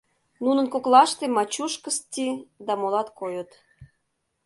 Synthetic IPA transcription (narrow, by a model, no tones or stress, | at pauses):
nunə̆nkoklɑʃt̪emɑt͡ɕuʃkəst͡sid̪ɑmolɑt̪kojət̪